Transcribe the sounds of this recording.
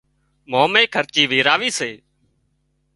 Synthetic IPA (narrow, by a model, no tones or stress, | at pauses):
moːmẽːkʰəɾt͡ʃiːʋiːɾaːʋiːseː